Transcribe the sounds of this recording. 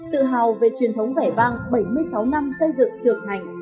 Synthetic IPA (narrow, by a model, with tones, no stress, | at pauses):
t̪ɨ̰˧˨ɦaː˨˩wve˨˩t͡ɕwi˨˩ənt̪ʰə˨˦wŋ͡mɣaː˧˩jvaː˧ŋɓə˧˩jmɨ˧əjsa˨˦wna˧msə˧jzɨ̰˧˨ŋt͡ɕɨ˨˩əŋt̪ʰa˨˩jŋ̟